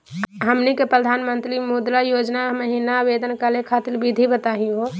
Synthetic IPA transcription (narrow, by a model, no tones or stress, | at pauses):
ɦəmnikepɾəd̪ʱanmənt̪ɾimud̪ɾajod͡ʒnaməɦinabed̪ənkəlekʰat̪ilbʱid̪ʱibət̪aɦĩɦo